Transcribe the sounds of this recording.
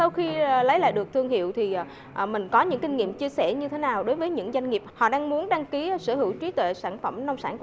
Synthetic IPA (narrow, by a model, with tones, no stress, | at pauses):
sa˧wxi˧˨˩lə˨˦jla̰ː˧˨jɗɨ˨˩ək̚t̪ʰɨ˧əŋhḭ˧˨əwt̪ʰi˨˩˨ | ʔmï˨˩ŋ̟kɔ˨˦ɲɨ̰˧˥ŋkï˧ŋ̟ŋḭ˧˨əmt͡ɕi˧əsɛ˧˩ɲɨ˧t̪ʰe˨˦naː˨˩wɗo˨˦jvəː˨˦jɲɨ̰˧˥ŋza˧jŋ̟ŋi˨˩p̚hɔ̰˧˨ɗaː˧ŋmu˨˦ənɗaː˧ŋki˨˦sɨ˧˩hɨ˧˩wt͡ɕwi˨˦t̪wḛ˧˨saː˧˩nfə˧˩mnɔ˧wŋ͡msaː˧˩nk